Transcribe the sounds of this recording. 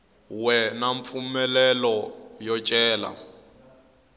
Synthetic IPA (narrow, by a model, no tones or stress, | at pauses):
wɛnaɱffumɛlɛlɔjɔt͡ʃʼɛːla̰